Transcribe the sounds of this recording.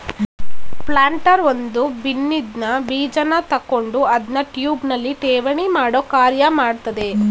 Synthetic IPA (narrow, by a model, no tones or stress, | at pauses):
plaːɳʈɐɾʋond̪ubinːid̪nɐbiːd͡ʒɐnɐt̪ɐkːo̞ɳɖuɐd̪nɐʈjuːbnɐlːiʈɛːʋɐɳimaːɽoːkaːɾjɐmaːɽt̪ɐd̪e̞